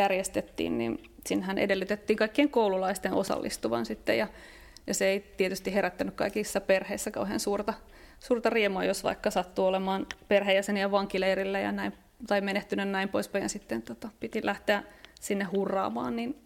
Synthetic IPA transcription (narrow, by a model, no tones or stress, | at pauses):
jærjest̪et̪ːḭːnnḭn | sinːehænʔḛdelːyt̪et̪ːiːŋkɑikːieŋkoululɑist̪enʔo̰sɑ̰lːʔḭst̪uʋɑ̰nsit̪ːḛjɑ | jɑseeit̪iet̪yst̪iheɾæt̪ːænykkɑikisːɑperheisːækɑuhḛːnsuːrt̪ɑ | suːrt̪ɑriemuɑjosʋɑ̰ikːɑsɑt̪ːuolemɑːnperhejjæseniɑʋʋɑŋkileirilːæjɑ̰næim | t̪ɑimeneht̪ynønnæimpoispæjjɑsit̪ːent̪ot̪ɑpit̪ilʔæht̪eæsinːehhurːɑ̰ːmɑ̰ːnnin